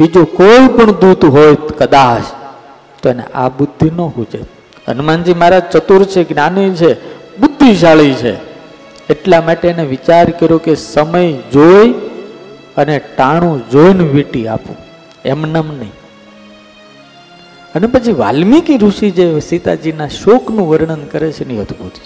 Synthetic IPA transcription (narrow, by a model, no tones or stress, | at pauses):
bid͡ʒokoipəɳd̪ud̪ɦojkəd̪aʃ | t̪oenḛʔa̰bʊd̪ʱːinoɦud͡ʒḛ | ə̰nmãnd͡ʒimaɾat͡ʃət̪uɾt͡ʃʰeɡnanit͡ʃʰeɓʊd̪ʱːiʃ̬aɭit͡ʃʰeː | ʈlamaʈeneʋit͡ʃaɾkəɾjokesəməjd͡ʒoj | əneʈaɽ̃ũd͡ʒojnʋiʈia̰pṵ̃ | emnəmnəĩ | ənepət͡ʃʰiʋa̰lmikiɾuʃid͡ʒesit̪a̰d͡ʒinaʃoknũʋəɾɳ̃ənkəɾet͡ʃʰenĩɦət̪ʰubut̪i̥